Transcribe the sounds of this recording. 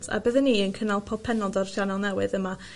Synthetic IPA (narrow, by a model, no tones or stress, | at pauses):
tʰa̰bəðənːiːənkʰənalˠpʰɔ̥pʰɛnɔdɔrʃanɔlˠnɛwɨðəma